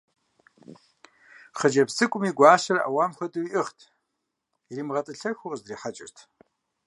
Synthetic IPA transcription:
χəd͡ʒɐpsɨkʷʼʊmiːɡʷaːɕɐrɐʔɐ̰waːmxʷɐtʼɨwiʔɨχtʰ | iriːmʁɐtʼɨɬɐxʷʊrzriːħat͡ʃʼɪ̰rtʰ

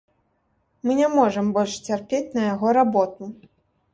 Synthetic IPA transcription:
mɨnʲamɔʐɐmbɔlʲʂt͡sʲarpʲet͡sʲnɐjaɣɔɾabɔt̪̚u

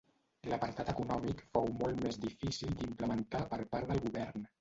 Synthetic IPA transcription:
ləpəɾt̪at̪əkunɔmikfowmɔlˠt̪mezd̪ifisilˠd̪impləmənt̪apəɾpaɾðəlˠɣuβɛɾn

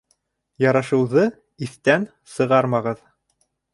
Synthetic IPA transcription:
jɑɾɑʃɤ̆wðɤ | iθt̪æn | sɤ̆ʁɑɾmɑʁɤð

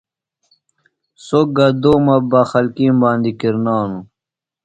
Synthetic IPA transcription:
soɡɐd̪oːmɐbaxɐlkiːmbaːnd̪ikiɾnaːnu

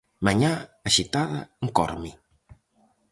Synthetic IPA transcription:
maɲaːʃit̪aða̰ŋkɔ̰ɾmi

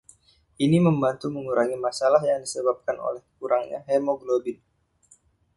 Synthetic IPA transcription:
ʔiniməmbant̪uməŋuɾaŋimasalaɦjaŋdisəbap̚kano̰lɛhkuɾaŋɲa̰ɦɛmoɡlobɪn

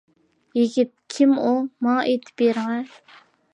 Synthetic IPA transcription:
jiɡʲit̪̚kʲʰimumɑʔet̪ʰɪ̥pjeɾŋɛ

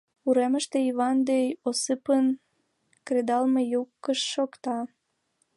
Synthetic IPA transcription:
uɾeməʃt̪eiβɑnd̪ejosɨpən | kred̪ɑlmejukːəʃːokt̪ɑ

